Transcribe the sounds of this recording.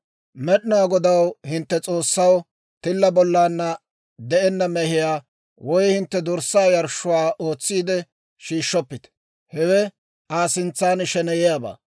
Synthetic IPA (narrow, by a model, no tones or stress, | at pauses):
mɛɗɪnʊaːɡɔd̪ɐwhɪnt̪ːɛt͡sʼo̞ːsːɐw | t̪ɪlːɐbɔlːaːnːɐ | d̪ɛʔɛnːɐmɛhɪjaː | wɔjhɪnt̪ːɛd̪ɔɾsːaːjɐɾʃːʊwaːʔo̞ːt͡sːiːd̪ɛ | ʃiːʃːɔpːɪt̪ | hɛwɛ | aːsɪnt͡sːaːnʃɛnɛjɛjaːba̰ː